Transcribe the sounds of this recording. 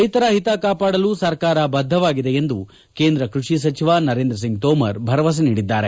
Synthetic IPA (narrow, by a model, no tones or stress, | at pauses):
ɐjit̪ɐɾaɦit̪akaːpaːɽɐlusɐɾkaːɾɐbɐd̪ʱːɐʋaːɡid̪e̞end̪u | keːnd̪ɾɐkɾuʂis̬ɐt͡ʃiʋanɐɾeːnd̪ɾɐs̬iŋɡ̚t̪oːmɐɾbʱɐɾɐʋɐs̬ɐniːɽid̪ːaːɾe̞